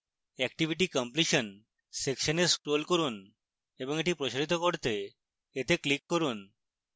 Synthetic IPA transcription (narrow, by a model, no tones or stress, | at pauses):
ɛkʈibʱiʈ̬ikɔmpliʃon | sekʃoneskɾolkoɾun | eboŋeʈipɾoʃaɾit̪okoɾt̪e | et̪eklikːoɾun